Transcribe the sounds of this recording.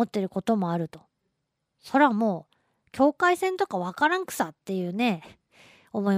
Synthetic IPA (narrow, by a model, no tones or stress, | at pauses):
ot̪ːe̞ɾɯ̟ko̞t̪o̞moaɾɯ̟t̪o̞̥ | so̞ɾamoː | kʲo̞ːkaisẽ̞nt̪o̞kaβ̞akaɾãŋkɯ̟̥sat̪ːe̞jɯ̟ːne̞ | omo̞i